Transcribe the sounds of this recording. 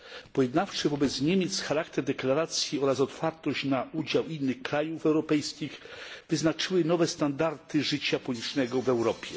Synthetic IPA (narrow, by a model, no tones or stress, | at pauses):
pɔjɛd̪naft͡ʂɛvɔbɛt̪sɲemʲjɛt̪sxaɾakt̪ɛɾd̪ɛklaɾat̪sʲjiɔɾasɔt̪faɾt̪ɔɕt͡ɕnaʔud͡ʑawinːɘxkɾajufɛwɾɔpɛjskʲixvɘznat͡ʂɘwɘnɔvɛst̪and̪aɾt̪ɘʐɘt͡ɕapɔɲʲit͡ʂnɛɡɔvɛwɾɔpʲjɛ